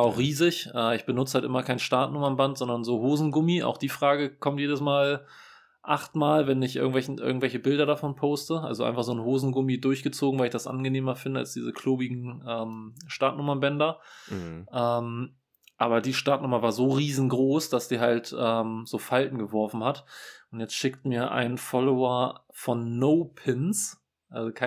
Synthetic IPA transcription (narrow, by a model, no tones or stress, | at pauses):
aʊxʁiːzɪçʔɛːɪçb̥ənʊt͡sə̥haltʔɪ̰mɐkʰaɪnʃtaɐtnʊmɐnbantz̥ɔndɐnzoːɦoːzn̩ɡʊmiʔa̰ʊxd̥iːfʁ̥aːɡəkʰɔmtjeːdəsmaːl | ʔa̰χtmaːlvɛnɪçʔɪ̰ɐɡŋ̩tv̥ɛlçn̩ʔɪ̰ɐɡŋ̩tvɛlçəbɪldɐɾafɔnpʰoʊstəʔa̰lzoʔa̰ɪnfaχz̥oːnhoːzn̩ɡʊmidʊɐçɡ̥ət͡soːɡŋ̩vaɪlɪçd̥asʔa̰nɡəneːmɐfɪndəa̰lsd̥iːzəkʰloːbiɡŋ̩ʔɛːmʃtaɐtnʊmɐbɛndɐ | ʔɛm | ʔaːβɐdiːʃtaɐtnʊmɐvaːɐzoːʁiːzn̩ɡʁoːsd̥asd̥iːɦaltʔɛːmz̥oːfaltn̩ɡəvɔɐfn̩hatʔʊntjɛt͡stʃɪktmiːɐʔa̰ɪnnfɔloɐ | fɔnːoʊpʰɪns | ʔalzokʰa